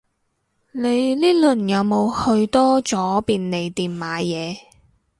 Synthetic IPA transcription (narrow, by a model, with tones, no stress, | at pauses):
ne˨˧jliː˥lɵ˨˩njɐ˨˧wmo˨˧whɵ˧ɥt̪ɔː˥t͡sɔː˨˥piː˨˧nne˨˧jt̪iː˨mmaː˨˧˥jɛː˨˧